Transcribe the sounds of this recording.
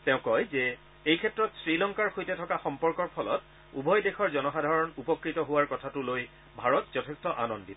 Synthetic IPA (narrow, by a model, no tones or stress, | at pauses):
teʊ̃kɔjzɛ | ejkʰɛtɹɔtsɹilɔŋkaɹxojtɛtʰɔkaxɔmpɔɹkɔɹpʰɔlɔ̰t | ubʱɔjdexɔɹzɔnɔxadʱaɹɔnupɔkɹitɔɦʊwaɹkɔtʰatʊloj | bʱaɹɔtzɔtʰɛstɔʔa̰nɔndib